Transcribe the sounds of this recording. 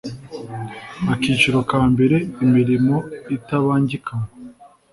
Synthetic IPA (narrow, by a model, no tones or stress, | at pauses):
akiːt͡ʃiɾo̞kaːmbe̞ɾe̞imiɾimo̞itaβaːɲɟikʰamo